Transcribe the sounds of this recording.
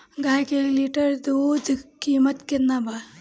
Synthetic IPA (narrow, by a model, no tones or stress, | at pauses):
ɡaːjkelliʈəɾd̪udkiːmɐt̪kinːaba